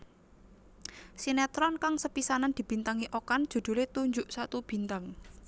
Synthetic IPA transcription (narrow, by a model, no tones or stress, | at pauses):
sinɛt̪ɾɔnkaŋsəpisanand̪i̤b̥i̤nt̪aŋiʔokand̥d͡ʒ̥ṳd̪̥ṳlet̪uɲd͡ʒʊʔsat̪ub̥i̤nt̪aŋ